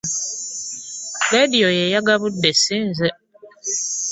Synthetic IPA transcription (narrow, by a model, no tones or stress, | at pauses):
ɾediojɛjaɡaβudːɛsĩnzɛ